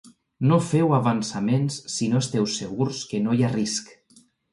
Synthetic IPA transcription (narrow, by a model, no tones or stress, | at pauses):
nofɛwaβansamensːinoest̪ɛwseɣuɾskenojarisk